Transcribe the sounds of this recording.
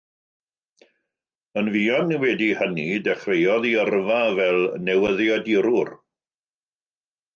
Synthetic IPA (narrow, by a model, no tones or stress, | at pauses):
ənviːɔnːɛwɛdihənidɛχwejɔðiərvavɛlˠnɛwəðjɔdiɾʊr